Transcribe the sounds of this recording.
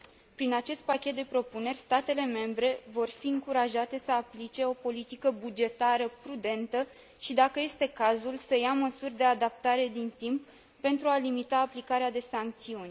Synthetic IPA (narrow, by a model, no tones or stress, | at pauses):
pɾinat͡ʃe̞st̪̚pakʲe̞t̪̚d̪e̞pɾo̞pune̞rʲst̪at̪e̞le̞me̞mbɾe̞vo̞rfiɨŋkuɾaʒat̪e̞səaplit͡ʃe̞o̞po̞lit̪ikəbud͡ʒe̞t̪aɾəpɾud̪e̞nt̪ə | ʃid̪akəje̞st̪e̞kazulsəjaməsurʲd̪e̞ad̪ap̚t̪aɾe̞d̪int̪impː | e̞nt̪ɾualimit̪aːplikaɾead̪e̞saŋk̚t̪siunʲ